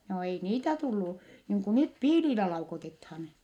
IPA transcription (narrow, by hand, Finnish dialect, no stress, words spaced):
joː ei niːtæ tulːu niːŋ ku nyt piːlilæ lɑukotethɑn